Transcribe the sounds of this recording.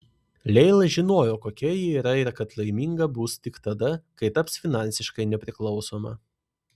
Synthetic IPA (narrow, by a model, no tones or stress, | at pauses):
lʲɛɪlˠɐʒʲɪnoːjoːkoːkʲɛjiiːɾɐɪɾkɐt̪lˠɐɪmʲiŋɡɐbust̪ʲɪkt̪ɐd̪ɐkɐɪt̪ɐpsfʲɪnɑˑnʲsʲɪʃkɐɪnʲɛpʲɾʲɪklˠɒʊsoːmɐ̰